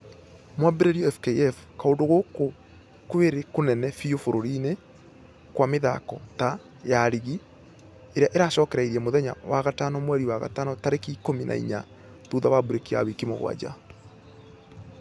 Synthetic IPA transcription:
mwabeɾeɾiɔɛfkeɛfkaondoɣoko | kweɾekonɛnɛfiofoɾoɾine | kwameða̰kɔ̰ta | jaɾiɣi | eɾeaʔeɾaːʃɔːkɛɾaiɾiɛmoðɛɲa̰waɣatanɔmwɛɾiwaɣa̰tanɔtaɾekiːkominʔa̰ḭɲa | ðuðaβabuɾekia̰wekimo̰ɣw̰a̰d͡ʑa̰

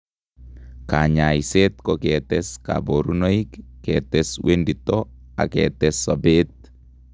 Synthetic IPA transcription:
kaɲaiset̪kɔkɛt̪ɛska̰boɾunoikːɛt̪ɛswenditɔa̰kɛ̰t̪ɛsːɔbet̪̚

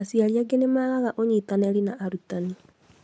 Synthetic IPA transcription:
asiaɾiaɡenemaːɣaɣaʔoɲitanɛɾinaʔaɾutani

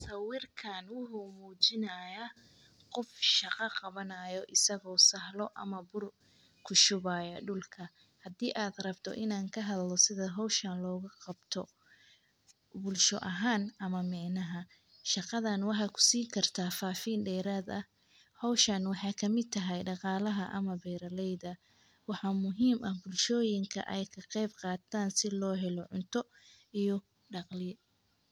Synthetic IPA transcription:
sɐwɪrkʰaːnwʊħʊmuːt͡ʃɪnɐːja | qɔfʃɑqɑqɑβɐnaːjɔʔɪsɐɣɔːsɐhlɔʔɐ̰mɐbʊr | kʰʊʃʊβaːjɐɖʊlkʰɐ | hɐd̪iːʔaːd̪rɐbt̪ʰɔ̰ʔɪnaːŋkʰɐɦɐðlɔsɪðɐɦɔwʃɐːnlɔːɣɐqɑbt̪ʰɔ | bʊlʃɔʔɐɦaːnɐmɐmɛːnɐɦɐ | ʃɑqɑðɐnwɑħɑːkʰʊ̥siːŋkʰɐrt̪ʰaːfaːfiːnɖɛːɾaːd̪ɐh | hɔwʃɐnwɑħɑːkʰɐmɪd̪̚t̪ʰɐɦɛjɖɑqɑːlɐɦɐʔɐ̰mɐbɛːɾɐlɛjðɐ | wɑħɑːmʊɦiːmʔɐhbʊlʃɔːjɪŋkʰɐ̰ʔɛjkʰɐqɛjbqɑːt̪ʰaːnsɪlɔːɦɛlɔʕʊnt̪ʰɔ | ijɔ | ɖɑqlɪjɛ

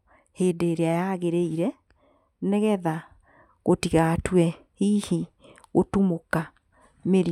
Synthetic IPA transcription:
heːdeːɾeajaɣeɾeiɾɛ | neɣɛða | ɣotiɣatwɛ | hihi | ɣotumoka | meɾi

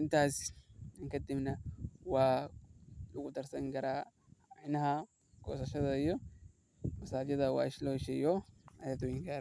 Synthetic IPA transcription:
ɪnt̪aːsɪŋkɐd̪ɪbnɐwaː | lʊkʊt̪ɐɾsɐŋɡɐɾaː | nɐha | ko̰ːsɐʃɐd̪ɐɪjɔ | ɐsaːd̪jɐd̪ɐwa̰ːɪʃloʃɛjɔɐjɐd̪wɛŋɡaːɾ

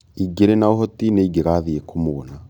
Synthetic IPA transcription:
iɡeɾenaoɦɔtineiɡeɣaːðiekʰomoːna

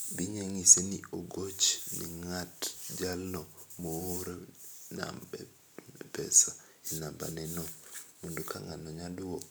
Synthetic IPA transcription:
biɲeŋisenioɡot͡ʃnḭŋatd͡ʒalnɔmooɾena̰mbɛ̰ | nɛpɛ̰sa | inamba̰nɛnɔmundokʰa̰ŋa̰nɔɲaduo

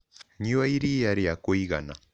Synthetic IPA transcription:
ɲiwaiɾijaɾijakɔiɣa̰na

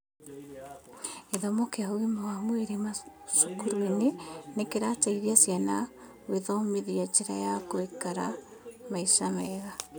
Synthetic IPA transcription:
eðomokeawimawamweɾema | ʃukuɾwenenekeɾataiɾiasjana | weðɔmeðiat͡ʃeɾa̰jakoekaɾa | maiʃamɛːɣa

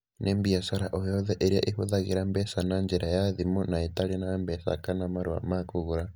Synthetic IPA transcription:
nʔembiasaɾaʔojoðeʔeɾiaʔihuðaɣiɾambesanaɲd͡ʒiɾajaðimunaitalianambesa̰kanamaɾua̰makuɣuɾa

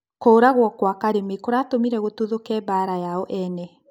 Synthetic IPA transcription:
koːɾaɣwɔkwakaɾemekoɾatomiɾɛɣotuðokɛbaɾajaɔʔɛnɛ

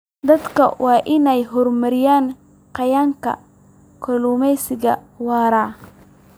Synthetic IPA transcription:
d̪ɐd̪kʰɐ̰wʔɑːʔɪnɛjɦɔrmɐɾɪjaːn | qɑjaːŋkʰɐ̰ | kʰɔluːmɛjsɪɣɐ | wɑːɾaː

